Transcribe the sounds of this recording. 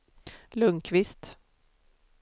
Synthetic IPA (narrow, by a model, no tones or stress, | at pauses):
lɵŋkʰvɪst̪